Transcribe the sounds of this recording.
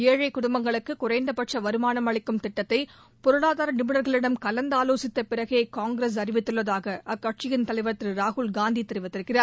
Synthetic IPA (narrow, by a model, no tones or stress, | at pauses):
eːɻɐɪkʊɽʊmbɐŋɡɐɭɯkːɯkʊrɐɪnd̪ɐpɐʈʂɐʋɐɾɯmaːnɐmɐɭɪkːɯmt̪ɪʈːɐt̪ːɐɪ | pɔɾɯɭaːðaːɾɐnɪmɪɳɐɾɣɐɭɪɽɐmkɐlɐnd̪aːloːsɪt̪ːɐpɪɾɐɣɪjekaːŋɡɾes̬ɐrɪʋɪt̪ːɯɭːɐðaːɣɐʔɐkːɐʈ̚t͡ʃɪjɪnt̪ɐlɐɪʋɐt̪ːɾɯɾaːɣʊlɡaːnd̪it̪ɪɾɪɯʋɐt̪ːɪɾkːɪraːɾ